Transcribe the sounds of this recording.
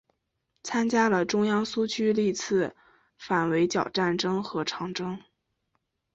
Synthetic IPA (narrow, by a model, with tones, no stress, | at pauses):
t͡sʰa˥nt͡ɕja˥lə˨ʈ͡ʂʊ˥ŋjɑ˥ŋsu˥t͡ɕʰy˥li˥˩t͡sʰɹ̩˥˩ | fa˨˩nwe˧˥ɪt͡ɕjɑ˨˩ʊʈ͡ʂa˥˩nʈ͡ʂɤ˥ŋxɤ˧˥ʈ͡ʂʰɑ˧˥ŋʈ͡ʂɤ˥ŋ